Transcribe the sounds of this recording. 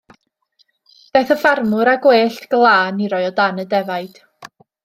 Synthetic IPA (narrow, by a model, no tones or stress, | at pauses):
b̥eːθəfarmʊɾaɡweːɬtɡ̥lˠaːniɾɔjɔdanədɛvajd̥